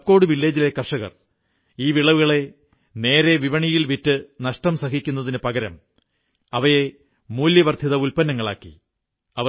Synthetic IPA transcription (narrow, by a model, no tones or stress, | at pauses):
p̚ko̞ːɽɨʋilːeːd͡ʑile̞kɐrʂɐɣɐ̰r | iːʋiɭɐʋuɣɐɭe̞ | ne̞ːɾeʋiʋɐɳijilʋitːɨnɐʂʈɐmsɐɦikʲːun̪ːɐðinɨpɐɣɐɾɐ̰m | ɐʋɐje̞ | muːljɐʋɐrd̪ʰʱiðɐulpɐnːɐŋːɐɭa̰ːkːḭ | ɐʋ